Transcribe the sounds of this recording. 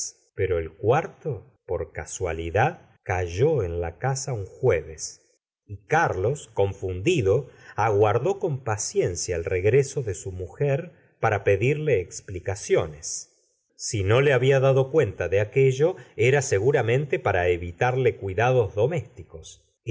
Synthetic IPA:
peɾo̞elkwaɾt̪o | poɾkaswa̰liðað | kaʒoenla̰kasauŋxweβes | ikaɾlo̞sko̞ɱfund̪iðo̞aɣwaɾðo̞ko̞mpasje̞nsjaelreɣɾeso̞ðesumuxeɾ | paɾape̞ðiɾle̞ːksplikasjo̞nesː | ino̞leaβiaðaðo̞kwe̞nt̪aðeakeʒo̞eɾase̞ɣuɾamẽ̞nt̪e̞paɾaeβit̪aɾlekwiðaðo̞zðo̞me̞st̪iko̞s

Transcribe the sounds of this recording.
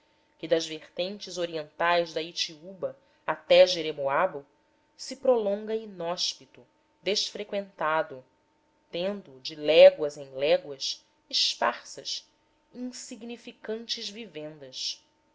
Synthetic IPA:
kɪd̪ɐzveχt̪ẽnt͡ʃɪzoɾiẽnt̪ajzd̪ɐit͡ʃiubɐ | at̪ɛʒeɾemoabʊ | sɪpɾolõŋɡɐinɔʃpit̪ʊ | d̪eʃfɾekwẽnt̪ad̪ʊ | t̪ẽnd̪ʊd͡ʒɪlɛɡwɐzẽj̃lɛɡwɐʃ | iʃpa̰χsɐʃ | ĩŋsiɡnifikɐ̃nt͡ʃɪzvivẽnd̪ɐʃ

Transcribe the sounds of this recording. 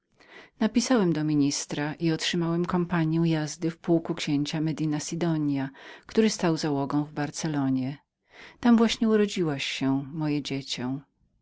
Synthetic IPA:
napʲisawɛmd̪ɔmʲiɲist̪ɾaʔiɔtʂɘmawɛmkɔmpaɲjɛw̃jazd̪ɘfpuwkukɕeɲt͡ɕamɛd̪inasʲid̪ɔɲjakt̪uɾɘst̪awzawɔɡɔ̃w̃vbaɾt̪sɛlɔɲɛ | t̪amvwaɕɲɛuɾɔd͡ʑiwaɕːɛmɔjɛd͡ʑet͡ɕɔ̃

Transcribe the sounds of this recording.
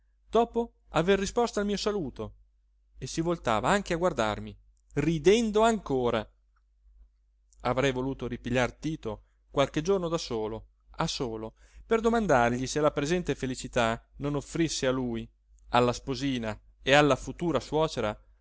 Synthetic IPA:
d̪̥ɔːpo | averːispɔst̪aːlmiːosaluːt̪o | esːivolt̪a̰ːvaaŋk̟eaɡward̪a̰rmi | rid̪ɛnd̪oaŋkoːɾa | avɾɛjvoluːt̪oɾipiʎːart̪iːt̪o | kwalked͡ʒornod̪asoːlo | asoːloperd̪omand̪arʎiselapɾezɛnt̪efelit͡ʃit̪anonofːɾisːealuj | alːaspoziːna | ealːafut̪uːɾaswɔːt͡ʃeɾa

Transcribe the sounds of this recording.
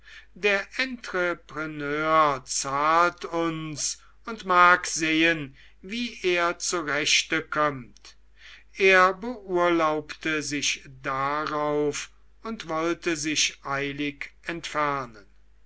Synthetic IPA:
deːɐʔɛntʁəpʁənøːɐt͡saːltʊns | ʊntmaːkz̥eːən | viːʔeːɐt͡suʁɛʃtəkʰɔmt | ʔeːɐbəʔuɐlaʊptəzɪʃdaʁaʊf | ʊntvɔltəzɪʃʔaɪlɪkɛntfæɐnən

